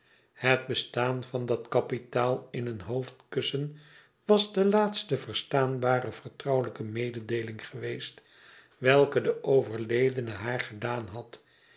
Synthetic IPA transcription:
həd̚bəstaːnvɑndɑtkɑpitaːlˠɪnənɦowftkɵsən | ʋɑzdəlaːtstəvəɹstaːnbaːɾəv̥əɹtrʌwələkəmejdədejlɪŋχəʋejst | ʋɛlˠkədəʔowvəɹlejdənəɦaːɹχədaːnɦɑt

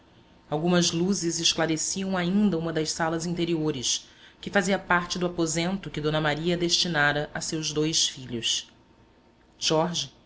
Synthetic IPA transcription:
awɡũmɐzluzɪzɪʃklaɾesiɐ̃w̃aĩnd̪ɐũmɐd̪ɐʃsalɐzĩnt̪eɾioɾɪskɪfaziɐpaɾt͡ʃɪd̪ʊapozẽnt̪ʊkɪd̪õnɐmaɾiɐd̪eʃt͡ʃinaɾɐʔasewʒd̪ojsfiʎʊs | ʒɔɾʒi

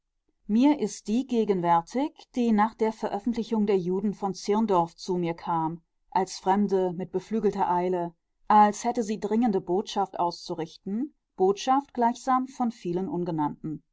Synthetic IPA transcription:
miːɐʔɪst̚d̥iːɡeːɡənvɛɐtʰɪçd̥iːnaːχd̥eːɐfɛɐʔœfn̩tlɪçʊŋdeːɐjuːdn̩fɔnt͡sɪɐndɔɐft͡sumiːɐkʰaːm | ʔalsfʁ̥ɛmdəmɪt̚b̥əflyːɡl̩tɐʔaɪlə | ʔalshɛtəziːdʁɪŋəndəboːtʃaftʔa̰ʊst͡suʁɪçtn̩ | b̥oːtʃaftɡ̥laɪçz̥aːmfɔnfiːlənʔʊnɡənantn̩

